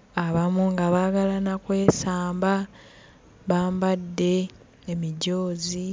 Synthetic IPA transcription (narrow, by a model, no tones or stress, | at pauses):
aβamuŋɡaβaːɡalanakwe̞ːsaːmba | βaːmbadːe̞ː | miɟoːzi